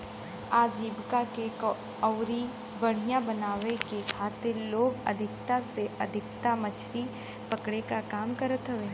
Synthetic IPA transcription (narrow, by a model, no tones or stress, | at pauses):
aːd͡ʒiːbkakek | ɔːɾi | bɐɽ̤ijãbənaːʋekekʰaːt̪ɪɾloːɡə̰d̪ʱɪk̚t̪aseʔɐd̪ʱɪk̚t̪amət͡ʃʰɾi | pɐkɽekakaːmkəɾət̪ɦəʋeː